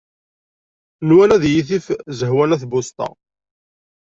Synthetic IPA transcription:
nwænæðjiθifzəɦwænæθbʊst̪ɑ̰

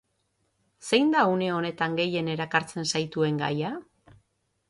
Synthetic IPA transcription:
se̞jnd̪aune̞o̞ne̞t̪aŋɡe̞je̞ne̞ɾakaɾt͡se̞nsajt̪ue̞ŋɡa̰ja

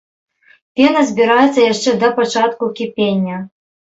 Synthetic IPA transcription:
pʲenɐzʲbʲiɾajɛt̪sːɐjaʂt͡ʂɛd̪ɐpat͡ʂat̪kukʲipʲenʲːɐ

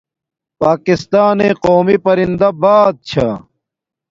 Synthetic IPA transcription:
paːkist̪aːneːqoːmipɐɾind̪ɐbaːd̪̚t͡ɕʰɐ

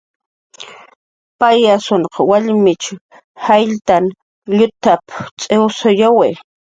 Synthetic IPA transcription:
pajasoɴqɑwaʎmɪt͡ʃʊ | hajʎt̪an | ʎʊt̪apt͡sʼewsʊjawej

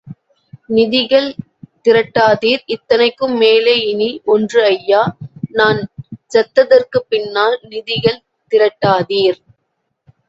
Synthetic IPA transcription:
nɪðɪɣɐɭ | t̪ɪɾɐʈːaːðiːɾɪt̪ːɐnɐɪkːɯmːeːlɐɪniʔɔndrɯɐjːaːnaːnd͡ʒɐt̪ːɐðɐrkɯpːɪnːaːlnɪðɪɣɐɭ | t̪ɪɾɐʈːaːðiːɾ

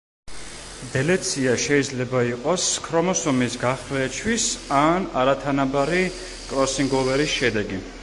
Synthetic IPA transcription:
d̪ɛlɛt̪sʰiaʃɛid̪zlɛbaiqʼɔskʰɾɔmɔsɔmisɡaχlɛt͡ʃʰwisana̰ɾat̪ʰanabaɾi | kʼɾɔsiŋɡɔvɛɾisʃɛd̪ɛɡi

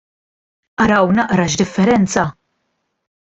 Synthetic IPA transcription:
ʔɐɾɐwnɐʔɾɐʃd̪ɪfːɛɾɛnt͡sɐ

